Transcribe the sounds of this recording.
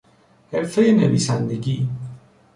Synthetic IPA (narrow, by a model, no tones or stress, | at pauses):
heɾfejeneviːsænd̪eɟiː